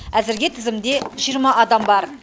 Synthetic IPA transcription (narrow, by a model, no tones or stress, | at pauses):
æzɪɾɡʲet̪ʰɪzɪmd̪e̞ʒijəɾmɑʔɑd̪ɑmbɑɾ